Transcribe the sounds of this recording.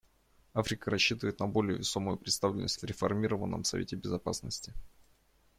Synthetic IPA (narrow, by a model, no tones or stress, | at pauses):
afɾʲɪkəɾɐɕːit̪əvəjɪt̪nɐbo̞lʲɪjə̰vʲɪso̞mʊjʊpɾʲɪt̪st̪avlʲɪ̰nəsʲtʲvʲɾʲɪfɐrmʲiɾəvənːə̰msɐ̰vʲetʲɪbʲɪzɐpa̰snəsʲtʲɪ